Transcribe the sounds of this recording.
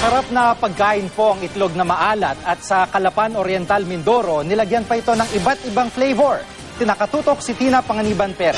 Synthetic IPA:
sɐɾap̚nɐpɐɡ̚kaːʔɪnpo̞ʔɐŋɪt̪lo̞ɡ̚nɐmɐʔaːlɐt̪̚ɐt̪̚sɐkɐlɐpanoɾjɛnt̪almɪnd̪oɾo̞nɪlɐɡjanpɐɪt̪o̞nɐŋʔɪbat̪̚ʔɪbaŋflejvɛɹ | t̪ɪnaːkɐt̪uːt̪o̞k̚sɪt̪iːnɐpɐŋɐniːbɐnpɛɾ

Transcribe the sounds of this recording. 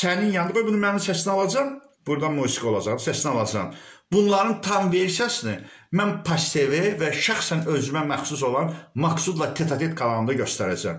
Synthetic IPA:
sæninjɑnd̪ɯɣojbunumæninsæsnɑlˠɑd͡ʒɑm | b̥uɾd̪ɑmusikʰo̞lˠɑd͡ʒɑʁd̪sæsnɑlˠɑd͡ʒɑmb̥unlˠɑɾɯnt̪ʰɑnveɾsijɑsini | mænpʰɑst̪ʰevevæʃæχsænø̞zymæmæxsus̬o̞lˠɑnmɑksud̪lˠɑt̪ʰet̪ʰɑt̪ʰet̪kʰɑlˠɑɯnd̪ɑɟø̞st̪æɾæd͡ʒæ̰m

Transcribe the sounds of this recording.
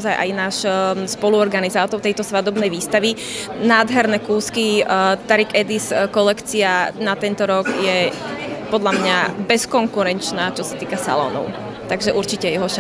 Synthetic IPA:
zajʔa̰jnaːʃspɔluɔɾɡanizaːt̪ɔɾt̪ɛjt̪ɔsʋad̪ɔbnɛjʋiːst̪aʋi | naːd̪ɦɛɾnɛkuːskit̪aɾikɛd̪iskɔlɛkt͡sianat̪ɛnt̪ɔɾɔɡjɛ | pɔd̪ʎamɲabɛskɔŋkuɾɛnt͡ʃnaːt͡ʃɔsḁt̪iːkasa̰lɔ̰nɔ̰ʊ | t̪aɡʒɛʔuɾt͡ʃicɛjɛɦɔʃ

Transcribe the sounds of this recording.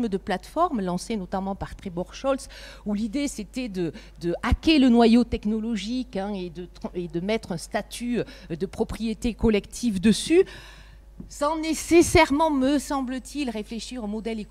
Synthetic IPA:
məd̪əplat̪fɔʁmlɑ̃senɔt̪amɑ̃paʁt̪χebɔʁʃɔls | ulid̪eset̪ɛd̪ə | d̪əakelənwajot̪ɛknɔlɔʒikɛ̃ed̪ət̪χed̪əmɛt̪χɛ̃st̪at̪ʰyd̪əpχɔpχijet̪ekɔlɛkt̪ʰifd̪əsy | sɑ̃nesesɛʁmɑ̃məsɑ̃blət̪ʰilʁefleʃiʁomɔd̪ɛlek

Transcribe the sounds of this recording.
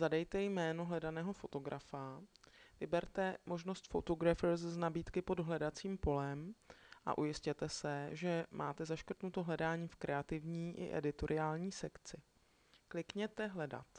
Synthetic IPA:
zadɛjt̪ɛjmɛːno̞ɦlɛdanɛːɦo̞fo̞t̪o̞ɡɾʔafavɪbɛɾt̪ɛmo̞ʒno̞st̪fot̪oɡɾafɾsznabiːt̪kɪpo̞dɦlɛdat͡siːmpo̞lɛmʔa̰ʔujɪscɛt̪ɛsɛʒɛmʔa̰ːt̪ɛzaʃkrt̪nut̪o̞ɦlɛdaːɲiːfkɾʔɛat̪ɪvɲiːʔɪ̰ʔɛ̰dɪt̪o̞ɾʔɪaːlɲiːsɛkt͡sɪ | klɪkɲɛt̪ɛɦlɛda̰t̪

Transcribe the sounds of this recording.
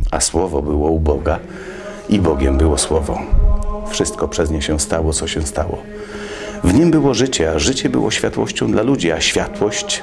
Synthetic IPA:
a̰swɔvɔbɘwɔubɔɡa | ibɔɡʲɛmbɘwɔswɔvɔ̰̃ | fʂɘst̪̚kɔpʂɛzɲɛɕɛ̃st̪awɔt̪sɔɕɛ̃st̪awɔ̰ | vɲimbɘwɔʐɘt͡ɕɛaʐɘt͡ɕɛbɘ̰wɔ̰ɕfʲjat̪wɔ̰ɕt͡ɕɔ̃d̪lalud͡ʑiaɕfʲjat̪wɔɕt͡ɕ

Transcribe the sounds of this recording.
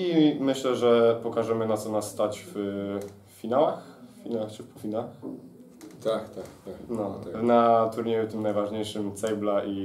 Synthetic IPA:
imɘɕlɛʐɛpɔkaʐɛmɘnat̪sɔnassːt̪at͡ɕf | fʲinawaxfʲinawaxt͡ʂɘpɔfʲina | t̪akt̪akt̪anɔnat̪uɾɲejut̪ɘmnajvaʐɲejʂɘmt̪sɛjblaʔi

